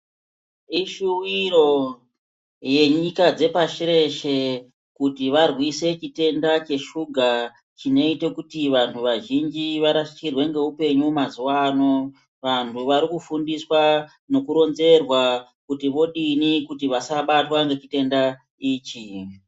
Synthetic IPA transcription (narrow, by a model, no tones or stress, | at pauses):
iʃuwiɾo̞ | je̞ɲikad͡ze̞paʃiɾe̞ʃe̞ | kutiʋarwise̞t͡ʃite̞ndat͡ʃe̞ʃuɡʱa | t͡ʃino̞ite̞kutiʋantʰuʋaʒind͡ʒiʋaɾaʃt͡ʃirwe̞ŋɡe̞upe̞ɲumazuwaːno̞ | ʋantʰuʋaɾikufundiswa | no̞kuɾo̞nze̞rwakutiʋo̞ɗinikutiʋasaɓatwaŋɡe̞t͡ʃite̞nda | iːt͡ʃi